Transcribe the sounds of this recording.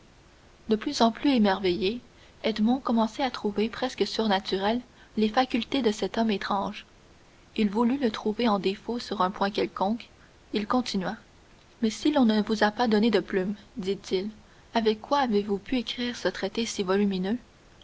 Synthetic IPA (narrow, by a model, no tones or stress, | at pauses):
d̪əplyzɑ̃plyemɛʁveje | ɛd̪mɔ̃kɔmɑ̃sɛat̪χuvepχɛskəsyʁnat̪yʁɛlː | efakʲylt̪ed̪əsɛt̪ɔmet̪χɑ̃ːʒ | ilvulylət̪χuveɑ̃d̪efosyʁɛ̃pwɛ̃kʲɛlkɔ̃k | ilkɔ̃t̪inɥa | mɛsilɔ̃nəvuzapad̪ɔned̪əplymd̪it̪il | avɛkːwaːvevupʰyekχiːʁsət̪χet̪esivɔlyminø